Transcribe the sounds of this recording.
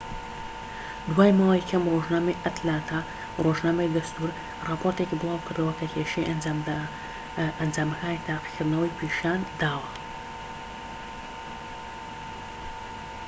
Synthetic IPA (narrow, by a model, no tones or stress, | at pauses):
d̪waːjmaːwɐjkʰɐmroʒnaːmejʔɐt̪laːt̪ʰa | roʒnaːmɐjd̪ɐst̪uːɾ | rɑpʰoɾt̪ecibɨlˠaːwkɨɾd̪ɐwɐkʰɐkʰʲeːʃejʔɐa | ɐnd͡zaːmɐkaːnit̪ʰaːqi̥kʰɨɾd̪nɐwɐjpʰeʃaːnd̪aːwɐ